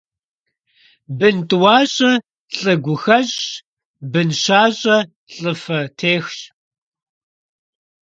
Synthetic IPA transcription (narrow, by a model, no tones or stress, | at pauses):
bɨntʼwɑːɕʼɐ | ɬʼɨɡʷʊxɐʑ | bɨnʃaːɕʼɐ | ɬʼɨfɐtʰeːxɕ